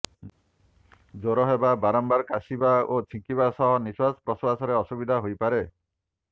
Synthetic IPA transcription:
d͡ʒoɾɔɦebabaɾɔmbaɾkasibaot͡ʃʰĩŋkibasɔɦɔniswaspɾɔswasɔɾeɔsubid̪ʱaɦojpaɾe

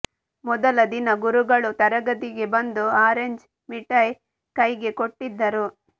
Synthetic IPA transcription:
mɔd̪ɐlɐd̪inɐɡuɾuɡɐɭut̪ɐɾɐɡɐd̪iɡe̞bɐnd̪uaːɾeɲd͡ʒ | miʈɐj | kɐjɡe̞koʈːid̪ːɐɾu

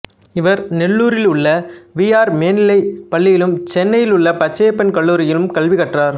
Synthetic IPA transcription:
ɪʋɐɾnɛɭːuːɾɪlʊɭːɐʋiːjaːɾmeːnɪlɐɪpɐɭːɪjɪlɯmt͡ʃɛnːɐjɪlʊɭːɐpɐt͡ʃːeːpːɐnkɐɭːuːɾɪjɪlɯmkɐɭʋɪɣɐʈraːɾ

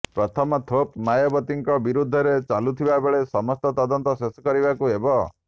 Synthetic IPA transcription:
pɾɔt̪ʰɔmɔt̪ʰop̚majɔbɔt̪iŋkɔbiɾud̪ʱːɔɾet͡ʃalut̪ʰibabeɭesɔmɔst̪ɔt̪ɔd̪ɔnt̪ɔsesɔ̥kɔɾibakuebɔ

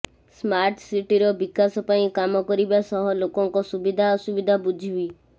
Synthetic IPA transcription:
smaɾʈsiʈiɾɔbikasɔpaĩkamɔkɔɾibasɔɦɔlokɔŋkɔsubid̪ʱaɔsubid̪ʱabud͡ʒʱibi

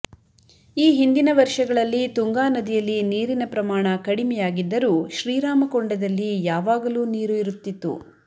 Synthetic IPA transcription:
iːɦind̪inɐʋɐɾʃɐɡɐɭɐlːit̪uŋɡaːnɐd̪ijɐlːiniːɾinɐpɾɐmaːɳɐkɐɽimɛjaːɡid̪ːɐɾuːʃɾiːɾaːmɐkoɳɖɐd̪ɐlːijaːʋaːɡɐluːniːɾuiɾut̪ːit̪ːṵ

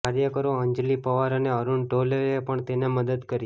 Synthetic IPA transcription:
aɾjəkəɾoəɲd͡ʒlipəʋaɾəneəɾunʈoləɾepəɳt̪eneməd̪əd̪kəɾi

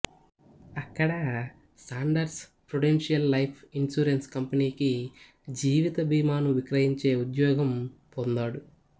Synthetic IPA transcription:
ɐkːɐɽɐ | saːɳɖɐɾspɾuɽenʂijɐlːɐjpʰinsuːɾenskɐmpɐniːki | d͡ʒiːʋit̪ɐbiːmaːnuʋikɾɐɦiɲt͡ʃe̞ːud̪jɔːɡɐmpond̪aːɽu

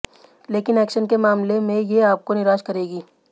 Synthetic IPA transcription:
leːkɪnɛːkʃənkemaːmlemẽjeaːp̚konɪɾaːʃkɐɾeːɡiː

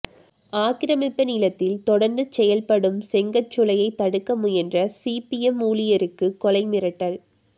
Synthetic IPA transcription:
aːkɪɾɐmɪpːɐnɪlɐt̪ːɪlt̪ɔɽɐɾnd̪ɯt͡ʃɛjɐlpɐɽɯmsɛŋɡɐt͡ʃːʊlɐjɐɪt̪ːɐɽɯkːɐmʊjɛndrɐsipiɛmuːlɪjɐɾɯkːɯkːɔlɐɪmɪɾɐʈːɐl

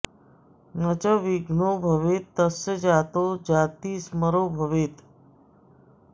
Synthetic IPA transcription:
nət͡ʃəʋiɡʱnobʱəʋet̪ːəsed͡ʑat̪od͡ʑaːt̪iːsməɾoːbʱəʋeːt̪

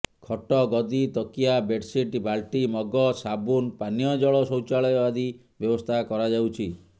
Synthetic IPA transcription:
kʰɔʈɔɡɔd̪it̪ɔkijabeɖsiʈbalʈimɔɡɔsabunpanijɔd͡ʒɔɭɔsɔwt͡ʃaɭɔjɔbad̪i | bjɔbɔst̪ʰakɔɾad͡ʒawt͡ʃʰi

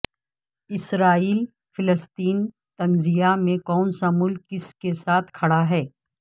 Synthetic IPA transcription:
ɪsɾaːiːl | fɪləst̪iːn | t̪ɐnzijamẽkɔːnsamʊlkːɪskesaːt̪ʰkʰɐɽaɦɛː

